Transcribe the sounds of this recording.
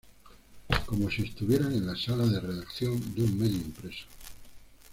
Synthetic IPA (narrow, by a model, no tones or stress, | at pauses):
ko̞mo̞sie̞st̪uβje̞ɾane̞nlasalaðe̞re̞ðakθjo̞nd̪eumme̞ðjoimpɾe̞so̥